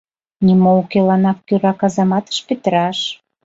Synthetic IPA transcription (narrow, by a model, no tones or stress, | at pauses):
nimoukelɑnɑk̚kyɾɑkɑzɑmɑt̪ə̥ʃpet̪əɾɑʃ